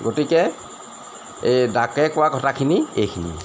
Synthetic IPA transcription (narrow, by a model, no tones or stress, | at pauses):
ɡotikɛ | edakɛkʊwakɔtʰakʰiniejkʰinḭ